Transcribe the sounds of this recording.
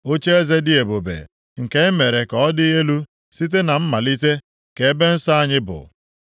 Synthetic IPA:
o˦t͡ʃe˦e˦ze˦dɪ˦e˨bo˨bḛ˨ | ŋ̩˨ke˦ɪ˦me˨ɾe˨ka˨ɔ˦dɪ˦ɦe˦lu˦ | si˦t̬e˦na˨m̩˦ma˨li˦te˦ | ke˨˦be˦n̩˦sɔ˦a˦ɲɪ˦bʊ̰˨

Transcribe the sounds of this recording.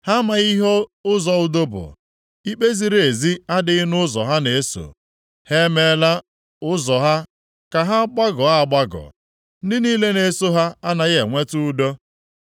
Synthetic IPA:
ha˦ma˨ɣi˦ɦo˦ʊ˦zɔ˨ʊ˨do˦bʊ̰˨ | i˦k͡pe˦zi˦ɾe˨zi˦a˦dɪ˦nʊ˦zɔ̰˨ɦa˦ne˨e˦so̰˨ | he˦me˦la˦ | ʊ˦zɔ˨ɦa˦ | ka˨ɦa˦ɡ͡ba˦ɡɔ˨a˦˨ɡ͡ba˦ɡɔ̰˨ | n̩˦dɪ˦niː˦le˦ne˨˦so˦ɦa˦a˦na˨ɣḛ˨ŋʷe˦tʊ˦do˦

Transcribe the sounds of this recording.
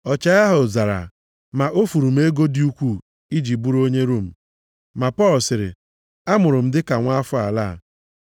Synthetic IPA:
ɔ˨t͡ʃa˨ɣa˦ɦʊ˨za˨ɾa̰˨ | ma˨ʔo˦fu˨ɾu˨m̩˦e˦ɡo˦di˦u˦kʷu˦˨ | i˦d͡ʒi˨bu˦ɾo˦ɲe˦ɾu˦˨m̩˨ | ma˨pɔ˦˨lʊ˨sɪ˨ɾɪ̰˨ | a˦mʊ˨ɾʊ˨m̩˦dɪ˦ka˨ŋʷa˦a˦fʊ˦a̰˨la̰ː˦˨

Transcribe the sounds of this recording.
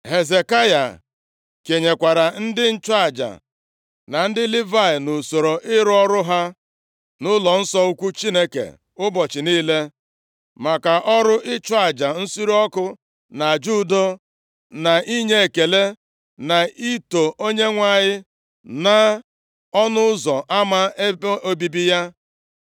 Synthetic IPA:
ɦe˨ze˨ka˦ja̰˨ | ke˨ɲe˨kʷa˨ɾa˨n̩˦dɪ˦n̩˦t͡ʃa˦˨d͡ʒa̰˨ | na˨n̩˦dɪ˦li˦va˦˨ɪ˨no˨so˨ɾo˨ʔɪ˦ɾɔ˦ɾʊ˦ɦa˦ | nʊ˦lɔ˨n̩˦sɔ˦u˦kʷu˦t͡ʃi˦ne˦kḛ˨ | ʊ˦bɔ˨t͡ʃɪ˨niː˦le˦ | ma˨ka˨ʔɔ˦ɾʊ˦ʔɪ˦t͡ʃwa˦˨d͡ʒa˨n̩˦si˦ɾɔ˦kʊ˦ | na˨d͡ʒu˦do˦ | na˨ʔi˦ɲe˦e˨ke˨le˦ | na˨i˦to˨ʔo˦ɲe˦ŋʷa˦˨ɲɪ˦ | na˦ | ɔ˦nʊ˦zɔ˨ʔa˦ma˦e˦bo˦bi˦bi˦ja˦

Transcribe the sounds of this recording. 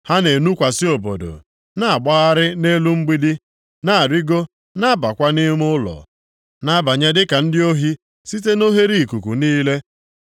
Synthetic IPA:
ha˦ne˨nu˦kʷa˨sɪ˦o˨bo̰˨do̰˨ | na˦˨a˨ɡ͡ba˦ɣa˦ɾɪ˦ne˦lu˦ŋ͡m̩˦ɡ͡bi˦dɪ˦ | na˦a˨ɾi˦ɡo˦ | na˦ba˨kʷa˦nɪ˦m˦ʊ˦lɔ̰˨ | na˦ba˨ɲa˦dɪ˦ka˨n̩˦dɪ˦o˦ɦi˦ | si˦t̬e˦no˦ɦe˦ɾi˦˨ku˨ku˨niː˦le˦

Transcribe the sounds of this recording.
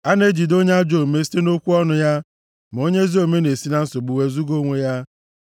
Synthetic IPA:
a˦ne˦d͡ʒi˨do˦ɲ˦a˦d͡ʒo˨me˦si̥˦te˦no˦kʷu˦ɔ˦nʊ˨ja˦ | m˨o˦ɲe˦zi˦o˨me˦ne˨si˦na˦n̩˦so˨ɡ͡bu˨we˦zu˦ɡo˦ŋʷe˨ja˦

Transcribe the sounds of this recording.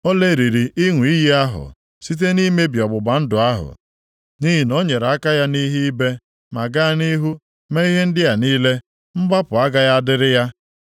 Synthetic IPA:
o˦le˦˨ɾi˨ɾi˨ʔi˦ŋʷ˨i˦ji˦a˦ɦʊ̰˨ | si˦t̬e˦ni˦me˦bi˨ɔ˨ɡ͡bʊ˨ɡ͡ba˨n̩˦dʊ˨a˦ɦʊ̰˨ | ni˦ɦi˨no˦ɲe˨ɾa˦ka˦ja˦ni˦ɦi˦i˦be˦ | ma˨ɡa˦ni˦ɦu˦ | me˦i˦ɦe˦n̩˦dɪ˦ja˨niː˦le˦ | m̩˦ba˦pʊ˨a˦ɡa˦ja˦a˦dɪ˦ɾɪ˦ja˦

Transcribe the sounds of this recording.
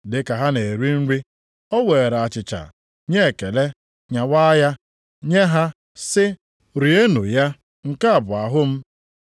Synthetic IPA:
dɪ˨ka˨ɦa˦ne˨e˨ɾi˦n̩˦ɾi˦ | ɔ˦we˨ɾa˨t͡ʃɪ˨t͡ʃa̰˨ | ɲe˦e˨ke˨le˦ | ɲa˨wa˦ja˦ | ɲe˦ɦa˦ | sɪ˦ | ɾi˨e˦nṵ˨ja˦ | ŋ̩˨ka˦a˨bʊ˨a˨ɦʊ˦m̩˦

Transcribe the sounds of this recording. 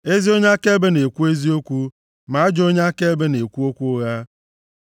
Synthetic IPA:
e˦zi˦o˦ɲe˦a˦ke˦be˦ne˨kʷu˦e˦zi˦o˦kʷu˦ | ma˨a˦d͡ʒo˦ɲe˦a˦ke˦be˦ne˨kʷu˦o˦kʷu˦ɣa˦

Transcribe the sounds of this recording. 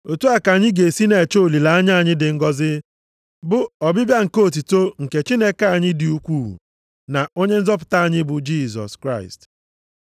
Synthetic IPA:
o˨tu˦a˨ka˨ɲɪ˦ɡe˨si˦ne˨t͡ʃo˦o˨li˨la˨a˦ɲ˦a˦˨ɲɪ˦dɪ˨ŋ̩˦ɡɔ˦zɪ˦ | bʊ˦ɔ˨bɪ˦bja˦ŋ̩˨ko˦o˦˨t̬u˨to˦ŋ̩˨ke˨t͡ʃi˦ne˦ka˦˨ɲɪ˦dɪ˨u˦kʷṵː˦˨ | na˨o˦ɲe˦n̩˦zɔ˦p̬ʊ̥˨ta˦a˨ɲɪ˦bʊ˨d͡ʒi˦˨sɔ̰˨skɾa˦˨ɪ̰˨st

